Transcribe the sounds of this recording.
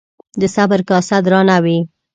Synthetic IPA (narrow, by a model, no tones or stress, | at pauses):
d̪əsabəɾkɑsad̪ɾɑnawi